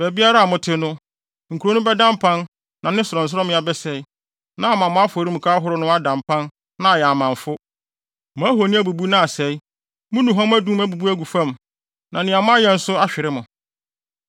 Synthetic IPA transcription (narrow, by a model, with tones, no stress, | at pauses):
bɛ˨bi˦a˦ɾa˦a˨mʊ̃˨tʰɪ˦nʊ̃˦ | ŋ̩˨kʰu˨ɾo˨˦nʊ̃˦bɛ˦dã˦mpʰã˦n | nã˨nɪ̃˦sʊ˨ɾɔ̃˨n̩˨s̬ʊ˦ɾɔ˦mɪ̃˨˦a˨bɛ˦sɛ˨i˦ | nã˦˨mã˨mʊ̃˦a˦fɔ˨ɾi˦m̩̃˨kʰa˦ɦʊ˦ɾʊ˦nʊ̃˦a˦dã˨mpʰã˦n | nã˨˦a˨jɛ˨a˨mã˨ɱ˨fʊ˦ | mãː˦ɦo˨nɪ̃˦æ˦bu˨bu˦nã˦a˨sɛ˨i˦ | mʊ̃˦nũ˨ɦɔ̃˦m˦æ˦dũ˦m˦æ˦bu˨bu˦æ˦ɡu˨fã˦m | nã˨nɪ̃˨a˨mʊ̃˦a˦jɛ˨n̩˦sʊ˦a˦ɕᶣɪ˨ɾɪ˦mʊ̃˨